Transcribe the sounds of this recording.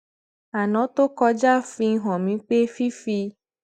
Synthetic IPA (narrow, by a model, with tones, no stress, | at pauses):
a˨nɔ̃˨˦t̪o˦kɔ˧d͡ʒa˦˨fĩ˧˦ɦɔ̃˨mĩ˨˦k͡pe˦fi˦fi˧